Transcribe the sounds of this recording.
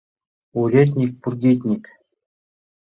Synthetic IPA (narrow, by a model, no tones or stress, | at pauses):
uɾʲet̪̬ʲnʲik̚ʲpurɡʲet̪ʲnʲikʲ